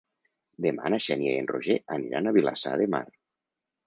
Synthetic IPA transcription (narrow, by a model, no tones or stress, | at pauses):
d̪ema̰naʃenjeenroʒeʔaniɾa̰naβila̰sa̰ðema̰r